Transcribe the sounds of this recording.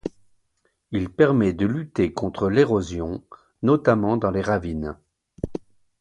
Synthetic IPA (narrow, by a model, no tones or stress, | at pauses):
ilpɛʁmɛd̪əlyt̪ekɔ̃t̪χəleʁozjɔ̃ | nɔt̪amɑ̃d̪ɑ̃leʁavin